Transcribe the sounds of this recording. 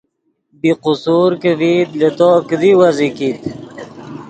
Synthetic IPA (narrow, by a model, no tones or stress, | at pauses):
biqusuːɾkevid̪let̪okəd̪iwazikit̪